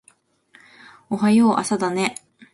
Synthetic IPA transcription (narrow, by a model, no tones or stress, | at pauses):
oɦajoːʔa̰sad̪ane